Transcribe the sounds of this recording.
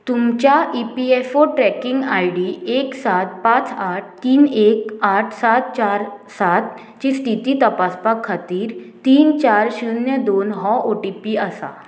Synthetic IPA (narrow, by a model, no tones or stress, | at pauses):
t̪umt͡ɕjaʔipiefoʈɾɛkiŋɡaiɽieksat̪̚pãt͡saʈ̚ʰt̪iːnekaʈʰsat̪̚t͡ɕaɾsat̪̚ | t͡ɕisʈ̪ʰit̪iːt̪əpaspakʰːat̪iːɾt̪iːnt͡ɕaɾɕunjəd̪onɦɔʔoʈipiəsa̰